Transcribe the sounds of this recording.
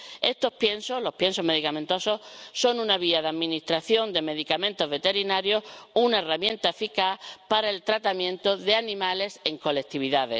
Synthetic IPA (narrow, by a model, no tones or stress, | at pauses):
e̞st̪o̞hpje̞nsoɦlohpje̞nso̞me̞ðikamẽnt̪o̞so̞so̞nunaβ̞iaðaðmĩnist̪ɾaθjo̞nd̪e̞me̞ðikamẽ̞nt̪o̞zβe̞t̪e̞ɾinaɾjo̞hunaeramjẽ̞nt̪afikapaɾae̞lt̪ɾat̪amjẽ̞nt̪oðe̞anĩmale̞se̞ŋko̞lek̚t̪iβ̞iðaðḛs